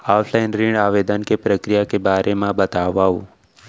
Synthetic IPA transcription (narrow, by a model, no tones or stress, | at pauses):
aːpʰlaɪnɾɪ̃ɳɖaːʋeːd̪ənkepɾəkɾijakebaːɾʔemãbɐt̪aːʋaːu